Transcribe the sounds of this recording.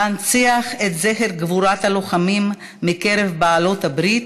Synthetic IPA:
ant͡siaχet̪zeχeɾɡvuɾathalo̞χamimː | ike̞ɾevbaːlo̞thabɾit̪

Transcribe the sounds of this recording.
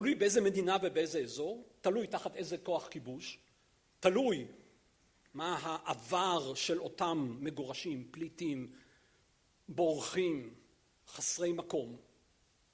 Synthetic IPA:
talujbeezeme̞d̪inavebeezeezo̞ʁtalujtaχat̪e̞zeko̞aχkibuʃ | taluj | maɦaʔavaʁʃe̞lo̞tamːe̞ɡoʁaʃimplitim | bo̞ʁχim | χasʁe̞jmako̞m

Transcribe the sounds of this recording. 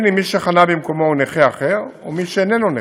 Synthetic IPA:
nimiʃeχanabimkomouneχeaχeʁomiʃeːnenone

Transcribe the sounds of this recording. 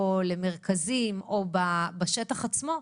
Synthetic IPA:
ole̞meʁkazimobabaʃetaχat͡smo̞

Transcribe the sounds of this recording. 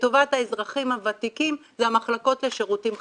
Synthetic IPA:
to̞vathaezʁaχimhavat̪ikimzeamaχlako̞tle̞ʃe̞ʁutim

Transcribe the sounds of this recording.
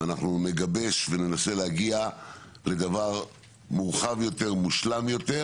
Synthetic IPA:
anaχnune̞ɡabe̞ʃve̞ne̞nase̞leaɡia | le̞d̪avaʁ | muʁχavjo̞t̪e̞ʁmuʃlamjo̞t̪e̞

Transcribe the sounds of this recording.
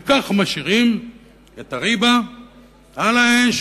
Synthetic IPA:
kaχmaʃiʁim | et̪aʁiba | alaemʃ

